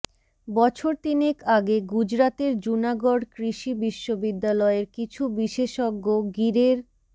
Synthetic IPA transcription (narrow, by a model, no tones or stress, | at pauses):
bɔt͡ɕʰoɾt̪inekaɡeɡud͡ʑɾat̪eɾd͡ʑunaɡoɽkɾiʃibiʃːobid̪ːalɔeɾkit͡ɕʰubiʃeʃoɡːoɡiɾeɾ